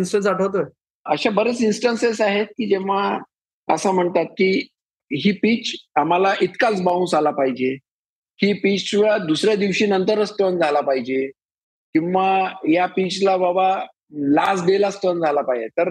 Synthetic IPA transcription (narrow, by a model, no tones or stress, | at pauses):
nsʈənsaʈʰəwt̪ə | əɕabəɾət͡sinsʈənsesaɦet̪̚kiːd͡ʑeʋ̤a | ə̰sam̤əɳt̪at̪̚kiː | ɦiːpiːt͡sam̤alaʔit̪kat͡sbaũnsalapaɦid͡ʑe | hiːpit͡ɕʋad̪usɾjad̪iʋɕiːnənt̪əɾəst̪ənd͡zʱalapaɦid͡ʑe | kĩwʋajapit͡ɕlababa | las̬ɖelast̪ənd͡zʱalapaɦid͡ʑet̪əɾ